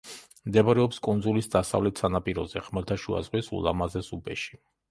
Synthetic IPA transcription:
md̪ɛaɾɛɔpskʼund̪zulisd̪asa̰vlɛt̪ʰsanapʼiɾɔzɛχmɛlt̪ʰaʃua̰zʁwisṵlˠa̰mazɛsubɛʃi̥

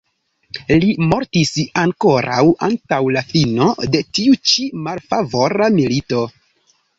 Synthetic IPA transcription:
limo̞ɾtisaŋko̞ɾa̰wa̰ntawlafino̞de̞tiut͡ʃimalfavo̞ɾamilito̞

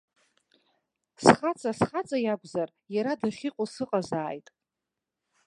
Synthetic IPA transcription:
sχat͡sʼasχat͡sʼajaɡʷzar | jaɾadɨχʲiqʼʊsɨqʼazaːjtʼ

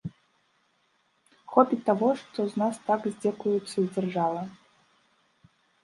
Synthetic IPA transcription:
xɔpʲit̪ːaɣɔʂt̪ɔznast̪aɡzʲd͡zʲɛkujut̪sːɐzʲd͡zʲɛrʐavˠɐ

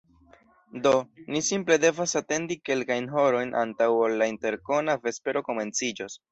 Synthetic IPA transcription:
do̞nisimple̞de̞vasate̞ndike̞lkajnɦo̞ɾo̞jnʔa̰ntawolːainte̞ɾko̞nave̞spe̞ɾo̞ko̞me̞nt͡sid͡ʒos

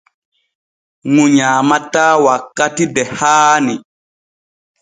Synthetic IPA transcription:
ŋuɲaːmataːwakːatidɛhaːni

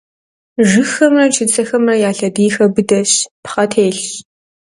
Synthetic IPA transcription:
ʒɨxɐmrɐt͡ʃʰɪt͡sʼɐxɐmrɐjaːɬɐdiːxɐbɨdɐɕpχɐtʰeːɬ

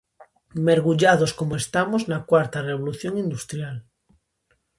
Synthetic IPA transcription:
meɾɣuʎað̞oskomoest̪amoznakwaɾt̪areβ̞oluθjoŋind̪ust̪ɾjal

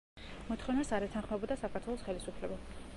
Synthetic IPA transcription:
mɔt̪ʰχɔnasaɾɛt̪ʰanχmɛbɔd̪asakʰaɾt̪ʰwɛlˠɔsχɛlisupʰlɛba

